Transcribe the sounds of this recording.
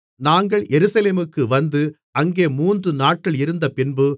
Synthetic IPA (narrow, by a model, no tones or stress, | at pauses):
naːŋɡɐɭjʔɛɾɯsɐleːmɯkːɯʋɐnd̪ɯ | ɐŋɡeːmuːndrɯnaːʈ̚kɪɭɪɾɯnd̪ɐpɪnbɯ